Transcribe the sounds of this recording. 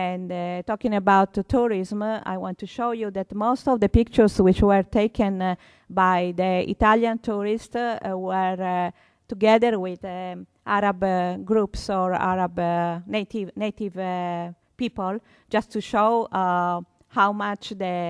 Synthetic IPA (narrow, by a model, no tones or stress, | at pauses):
ɛ̃ndt̪ɔkĩŋəbawt̪ʰːuɹizma̰jwɔ̃nt̪ːuʃowjud̪ɛt̪most̪ɔvd̪əpik̚t͡ʃəɹswit͡ʃwɛɾt̪ejkʰə̃n | bajd̪əḭt̪aljãnt̪ʰuɹist̪wɛɾ | t̪uɡɛd̪əɾwid | ʔaɾabɡɾupsɔɹa̰ɾabnet̪ivnet̪iv | pipol | d͡ʒast̪ːuʃow | hawmat͡ʃd̪ə